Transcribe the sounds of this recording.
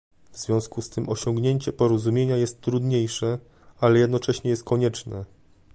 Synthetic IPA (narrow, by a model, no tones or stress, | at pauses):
vzvʲjɔ̃w̃skust̪ʰɘmʔɔɕɔŋɡɲeɲt͡ɕɛpɔɾɔzumʲjeɲajɛst̪ːɾud̪ɲejʂɛ | alɛjɛd̪nɔt͡ʂɛɕɲɛjɛst̪̚kʰɔɲɛt͡ʂnɛ